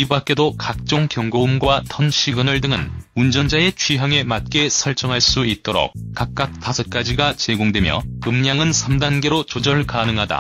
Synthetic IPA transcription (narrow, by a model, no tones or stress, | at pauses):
ibak͈e̞dokak̚t͡ɕ͈oŋkjʌŋɡoumɡwatʰʌnɕʰiɡɯnɯɭdɯŋɯnund͡ʑʌnd͡ʑae̞t͡ɕʰɥiɦaŋe̞mat̚k͈e̞sʰʌɭt͡ɕ͈ʌŋɦaɭs͈uit̚t͈oɾo̰k̚kak̚k͈ak̚tasʰʌt̚k͈ad͡ʑiɡat͡ɕe̞ɡoŋdwe̞mjʌ̰ɯmɲaŋɯnsʰʌmdanɡe̞ɾot͡ɕod͡ʑʌɭkanɯŋɦada̰